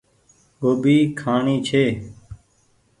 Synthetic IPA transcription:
ɦoːbiːkʰaːɳiːt͡ʃʰeː

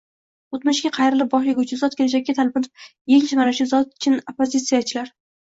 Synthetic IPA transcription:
ot̪mʊʃɡʲaqʰɑjɾɪlɪp̚bɒʃlɪɡʲʊt͡ʃʰɪzɒt̪̚kʲʰelad͡ʒakʲːat̪ʰalbɪlɪ̥p̚jeŋt͡ʃʰamaɾʊʃɪzɒt̪̚t͡ʃʰɪnopːozʲit̪sijat͡ʃʰɪlaɾ

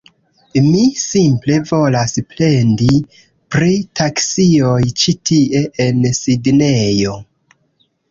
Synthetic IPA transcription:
misimple̞vo̞lasple̞ndi | pɾitaksiojt͡ʃitʰie̞ʔensidne̞jo̞

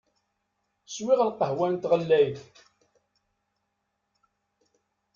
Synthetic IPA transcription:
swɪʁəlqːəɦwænt̪ʁəlːæjθ

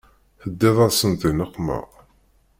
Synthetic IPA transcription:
θəd̪ːɪðˤɑðsənt̪ˤinəqːmə̰ʁ

